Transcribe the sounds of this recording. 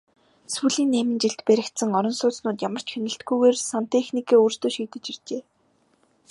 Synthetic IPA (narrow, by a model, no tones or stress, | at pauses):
suɮiːnːæːmɘ̆nt͡ɕiɮt̪pæɾʲɪ̆kt̪sə̆ŋɔɾɞ̆nsʊːsnʊːt̪̬jamə̆r̥t͡ɕxenɘ̆ɬt̪̚ɡujɣeːrsan̥t̪exnikeːuːr̥st̪oːʃiːt̪ɘ̆t͡ɕir̥t͡ɕeː